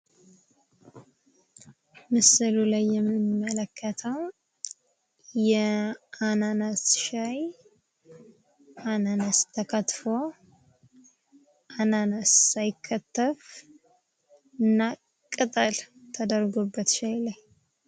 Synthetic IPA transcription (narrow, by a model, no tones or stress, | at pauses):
mɨsɨlulajːɛmːmːələkʰːət̪ʰəw | jɛʔananəsʃaj | ʔananəst̪ʰəkʰət̪fo̞ | ʔananəsːajɪkʰːət̪ːəf | ɨnːa | kʼɨt̪ʼəl | t̪ʰəd̪əɾɡobːət̪ʃajlaj